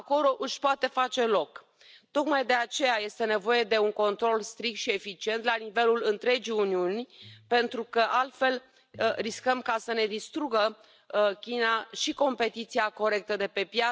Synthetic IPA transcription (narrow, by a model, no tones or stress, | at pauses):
ako̞lo̞ʔɨʃʲpoat̪e̞fat͡ʃe̞lo̞k | t̪o̞kmajd̪e̞at͡ʃe̞jaje̞st̪e̞ne̞vo̞je̞d̪e̞uŋko̞nt̪ɾo̞lst̪ɾik̚t̪ʃie̞fit͡ʃie̞nt̪lanive̞lulɨnt̪ɾe̞d͡ʒijuniunʲpe̞nt̪ɾukəʔalt̪fe̞l | riskəmkasəne̞d̪ist̪ɾuɡə | kʲinaʃiko̞mpe̞t̪it̪siako̞ɾe̞k̚t̪əd̪e̞pe̞pja